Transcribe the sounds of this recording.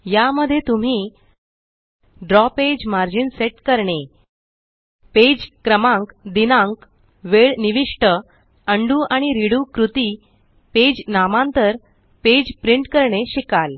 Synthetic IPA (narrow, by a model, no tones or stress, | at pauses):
jaməd̪ʱːjet̪um̤iː | ɖɾɔped͡ʑmaɾd͡ʑinseʈkəɾɳe | ped͡ʑkɾəmãŋkd̪inãŋk | ʋeɭniʋiʂʈə | əɳɖuːʔaɽ̃iɾiɽuːkɾut̪iː | ped͡ʑnamãnt̪əɾ | ped͡ʑpɾiɳʈkəɾɳeɕikal